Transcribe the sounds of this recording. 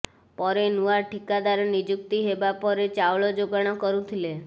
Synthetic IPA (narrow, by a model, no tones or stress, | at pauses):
pɔɾenuaʈikad̪aɾɔnid͡ʒukt̪iɦebapɔɾet͡ʃawɭɔd͡ʒoɡaɽ̃ɔkɔɾũt̪ʰile